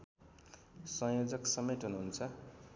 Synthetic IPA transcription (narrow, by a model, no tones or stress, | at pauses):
sʌ̃jod͡zʌksʌmet̪ɦunuɦunt͡sʰʌ